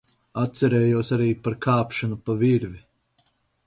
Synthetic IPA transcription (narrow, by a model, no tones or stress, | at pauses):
at̪sɛɾɛːjuɔsaɾiːpaɾkaːpʃanupaviɾvi